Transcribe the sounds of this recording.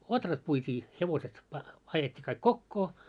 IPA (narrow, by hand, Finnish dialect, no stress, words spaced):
otrɑt puitʲiː heʋoset pɑ ɑjetʲːi kɑik kokːoː